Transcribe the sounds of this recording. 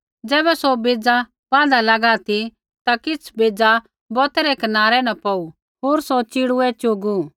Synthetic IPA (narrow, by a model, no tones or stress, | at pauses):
d͡ʒɛːbɛsobeːd͡za | pãːd̪alɐɡat̪i | t̪akɪt͡sʰbeːd͡za | bɔt̪ɛɾɛkɐnaːɾɛnɐ̃pɐu | ɦoːɾsot͡ʃɪɽuɛt͡ʃoːɡu